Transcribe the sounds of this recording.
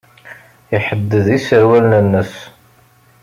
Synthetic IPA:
iħəd̪ːəðisəɾwælnənːəs

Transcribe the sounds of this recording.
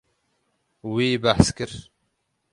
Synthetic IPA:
wiːbaħskɨɾ

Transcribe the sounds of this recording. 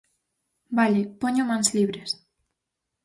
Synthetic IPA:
baʎepoɲomãnsliβɾes

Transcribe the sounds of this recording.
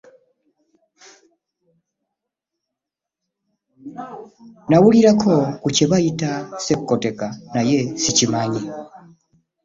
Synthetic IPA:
nawuliɾakʰɔkut͡ʃɛβaitasekukɔtɛkanajesit͡ʃimaɲi

